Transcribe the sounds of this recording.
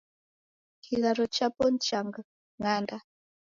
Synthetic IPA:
kʰilaɾɔt͡ʃapɔnt͡ʃaŋɡa | ŋanda

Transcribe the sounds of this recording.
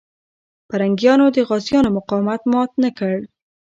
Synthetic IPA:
paɾaŋɡjɑnod̪əɣɑzjɑnomʊqɑwmat̪mɑt̪nakəɽ

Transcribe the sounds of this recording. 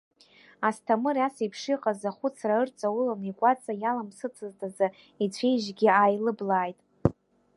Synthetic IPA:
astʰamɨrasipʰʂiqʼazaχʷʊt͡sʰraɨrt͡sʼawulanikʷʼat͡sʼajalamsɨt͡sʰɨztʰaza | it͡sʷʰe̞jʒɡʲiajlɨblaːjtʼ

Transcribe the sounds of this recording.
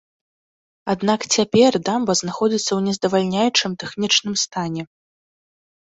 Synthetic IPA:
ad̪nakt͡sʲapʲɛrd̪ambɐznaxɔd͡zʲit̪sːɐwnʲɛzd̪ɐvalʲnʲajut͡ʂɨmt̪ɛxnʲit͡ʂnɨmst̪anʲɛ

